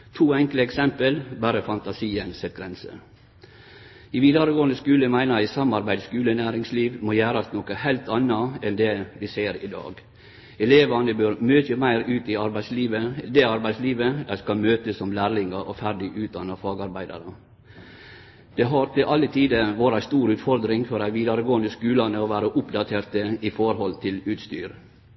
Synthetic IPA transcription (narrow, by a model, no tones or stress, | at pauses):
t̪ʰuːɛŋkləɛksɛmpəlbæːɾəfɑnt̪ɑsiːənsɛt̪ɡɾɛnsə̰ | ɪʋiːd̪ɑɾəɡoːənəskʉːləmæɪnəɾæsɑmɑɾbæɪd̪skʉːlənæːɾɪŋsliːʋmojæːɾɑsnɔkəhæɪlt̪ʰɑnɑɛnd̪ɛʋɪseːɾɪ̰d̪ɑ̰ːɡ | ɛleːʋɑnəbøɾmøːt̪əmæɪɾʉːt̪ɪɑɾbæɪsliːʋəd̪ɛɑɾbæɪsliːʋəd̪æɪskɑlmøːt̪əsːɔmlæːɾlɪŋəʔɔfæɾɖɪʔʉːt̪̚d̪ɑnɑfɑːɡɑɾbæɪd̪ɑ̰ɾə | d̪̥ɛɦɑɾt̪ʰɪlʔɑlːət̪ʰiːd̪əʋoːɾæst̪uːɾʉːt̪fɔɾd̪ɾɪŋfɔɾæɪʋiːd̪ɑɾəɡoːənd̪əskʉːlɑnəɔʋæːɾəʔʊpd̪ɑt̪ʰeːɾt̪əɪfɔɾɦɔlt̪ʰɪlʉːt̪st̪y̰ːɾ